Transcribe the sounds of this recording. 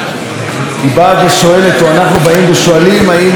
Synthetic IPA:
ibaːveʃo̞e̞letoanaχnubaimbeʃoalimain

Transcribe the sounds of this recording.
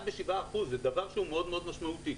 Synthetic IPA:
beʃivaːχuzed̪avaʁʃeumeo̞d̪meo̞d̪maʃmaut̪i

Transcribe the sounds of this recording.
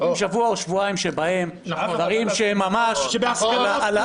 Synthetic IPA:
ʃavuaoʃvuaimʃebahe̞m | dvaʁimʃeemːamaʃskalaala

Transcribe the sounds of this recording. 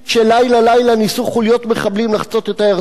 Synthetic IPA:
ʃelajlalajlanisuχulijo̞t̪meχablimlaχt͡so̞t̪etaja

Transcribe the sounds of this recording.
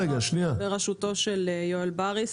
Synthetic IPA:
eɡaʃniabeʁaʃut̪o̞ʃeljoelbaʁis

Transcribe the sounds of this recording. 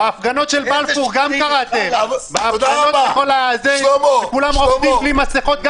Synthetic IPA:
eafɡano̞t̪ʃelbalfuʁɡamkaʁat̪embaaɡaoteχoleazeʃekulamʁofd̪imblimasiχot̪̚ɡa

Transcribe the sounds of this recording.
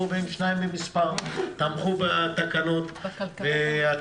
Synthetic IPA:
ubenʃnajimbemispaʁt̪amχubat̪akano̞t̪vea

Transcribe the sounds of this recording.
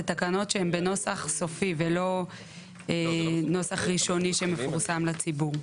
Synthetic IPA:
et̪akano̞tʃehembe̞no̞saχso̞fivelo̞ | eno̞saχʁiʃo̞niʃeme̞fuʁsamlat͡sibuʁ

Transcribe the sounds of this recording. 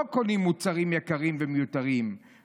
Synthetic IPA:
konimːut͡saʁimjakaʁimvɛmejut̪aʁim

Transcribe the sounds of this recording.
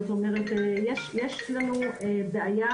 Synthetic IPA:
ot̪omeʁet̪jeʃjeʃlanuebeʔaja

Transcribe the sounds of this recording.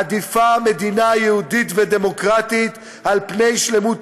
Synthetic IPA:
ad̪ifame̞d̪inajehud̪it̪ved̪e̞mo̞kʁat̪it̪ | alpne̞jʃlemut

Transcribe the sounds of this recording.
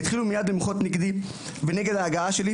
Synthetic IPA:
it̪χilumijad̪limχo̞t̪niɡd̪i | veneɡed̪aːɡaaʃeli

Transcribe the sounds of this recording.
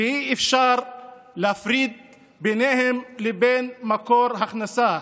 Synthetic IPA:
hiʔɪfʃaɾ | leafɾid̪̚ | benehemlebeːnmakoɾhaxnasa

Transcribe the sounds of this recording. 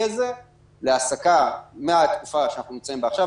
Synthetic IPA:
aze | leasakameat̪kufaʃeanaχnunimt͡saimbeaχʃa

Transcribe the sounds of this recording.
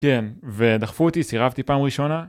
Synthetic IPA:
kenve̞d̪aχfuot̪isiʁavt̪ipaːmʁiʃona

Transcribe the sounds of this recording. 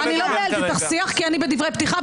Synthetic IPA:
anilobeelt̪it̪aχsiaχkianibed̪ivʁejpt̪iχa

